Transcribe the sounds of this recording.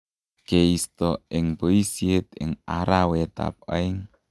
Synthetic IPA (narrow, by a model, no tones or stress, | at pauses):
keist̪ɔɪŋpoisiɪt̪̚ɪ̰ŋaɾawet̪a̰p̚a̰ɪŋ